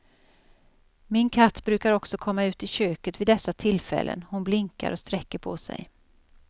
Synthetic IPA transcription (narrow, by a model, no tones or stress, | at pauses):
mɪnkʰat̪ːbɾʉ̟ːkaɾɔksɔkʰɔmːaʉ̟ːt̪ɪɕøːkət̪vɪːd̪ɛsːat̪ʰɪlfɛ̰lːʔə̰nhʊnblɪŋka̰ɾɔst̪ɾɛkːəɾpʰɔsɛ̰j